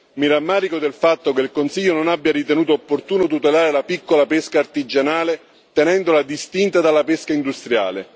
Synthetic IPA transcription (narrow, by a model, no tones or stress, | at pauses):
miɾamːaːɾikod̪elfat̪ːokelkonsiʎːononabːjaɾit̪enuːt̪̬oːpːort̪uːnot̪̬ut̪elaːɾelapikːolapeskaːrt̪id͡ʒanaːle | t̪enɛnd̪olad̪ist̪int̪ad̪alːapeskaind̪ust̪ɾja̰ːle